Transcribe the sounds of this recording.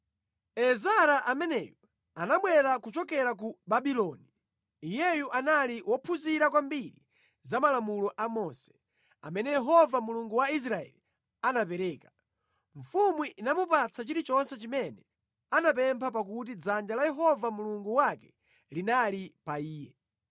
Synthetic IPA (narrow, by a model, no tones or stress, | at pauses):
ɛzaɾaʔamɛnɛjɔ | anaɓwɛɾakut͡ʃɔkɛɾak̬ubabilɔniː | jɛjuʔanaliwɔpʰuziɾakwambiɾi | zamalamulɔʔamɔːsɛ̥ | a̰mɛnɛjɛɦɔvamuluŋɡuwais̬ɾaɛ̰li | anapɛɾɛːkḁ | ɱfumwiʔinamupat͡sʰat͡ʃiɾit͡ʃɔnsɛt͡ʃimɛnɛ | anap̬ɛmpʰapakut̬id͡zand͡ʒalajɛɦɔvamuluŋɡuwakɛ̥ | linalipaiːjɛ